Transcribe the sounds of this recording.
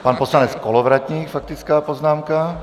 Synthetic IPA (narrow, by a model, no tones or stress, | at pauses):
paːnpɔslaɲɛt͡skɔlɔʋɾat̪ɲiːkfak̚t̪it͡skaːpɔznaːmka